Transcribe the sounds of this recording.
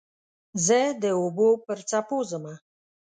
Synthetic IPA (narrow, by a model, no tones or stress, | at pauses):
zəd̪əobopəɾt͡sapozəma